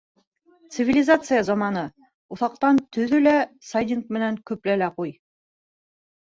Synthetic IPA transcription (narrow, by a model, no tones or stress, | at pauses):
t̪sɨvʲilʲɪzat̪sɨjazɑmɑnɤ | uθɑq̚t̪ɑnt̪ɵ̆ðɵlæsajd̪ʲink̚mɘ̆næŋkɵplælæquj